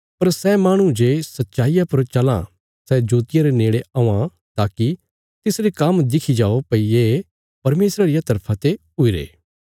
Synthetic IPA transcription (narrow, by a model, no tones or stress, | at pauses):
pɐɾsɛːmaːɽ̃ũd͡ʒeːsɐt̪ːʃaːijapɐɾt͡ʃɐlã̰ | sɛd͡ʒoːt̪ɪjaɾeneːɭeãːã | t̪aːki | t̪ɪsɾekɐmd̪ɪkʰid͡ʒaːopɐie | pɐɾmeːsɾaɾɪjat̪ɐɾpʰat̪e | ʊiɾḛː